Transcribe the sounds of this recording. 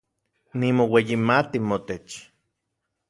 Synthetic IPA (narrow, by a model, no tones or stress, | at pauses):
nimowejimat̪imot̪et͡ʃ